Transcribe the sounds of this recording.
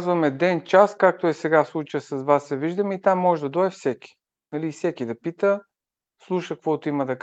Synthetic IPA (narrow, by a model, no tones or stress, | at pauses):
zvɐmɛd̪ɛnt͡ʃaskak̚t̪oɛsɛɡafslˠut͡ʃəsɐzvasɛviʒd̪əmɛit̪amːɔʒd̪ɐd̪ɔɛfsɛkʲi̥ | nɐliːfsɛkid̪ɐpit̪ə | slˠuʃəkvɔt̪oimɐd̪ɐk